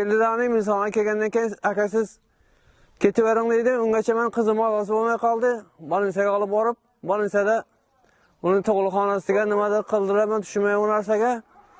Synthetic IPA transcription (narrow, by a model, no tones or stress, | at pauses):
kʲeld̪ɪd̪anɪmɪns̬ɑnʁɑkʲʰelʲɡʲand̪ankʲejɪnakʲasɪz | kʲʰet̪ʰɪweɾɪŋd̪ejd̪ɪʊŋɡʲat͡ʃʰamanqʰɨzɨmɒzɑs̬ɪbolˠmajqʰɒlˠd̪ɪbɒlˠɪnsaɡʲaɒlˠɪp̚bɒɾɪp̚ | bɒlˠɪnsad̪a | ʊnɪt̪ʰoʁlˠɨχɑnasɪɡʲanɪmad̪ɪqʰəlˠd̪ɪɾamant̪ʰʊ̥ʃmajʊnæɾs̬aɡʲa